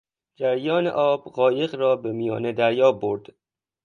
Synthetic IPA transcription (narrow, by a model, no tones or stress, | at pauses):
d͡ʒæɾjɒːnḛʔɒːbɢɒːje̞ɣɾɒːbe̞mijɒ̰ːne̞d̪æɾjɒːboɾd̪̥